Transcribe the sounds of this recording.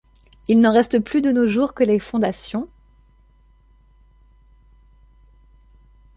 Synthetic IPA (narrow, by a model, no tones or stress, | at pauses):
ilnɑ̃ʁɛst̪əplyd̪ənoʒuʁkəlefɔ̃d̪asjɔ̃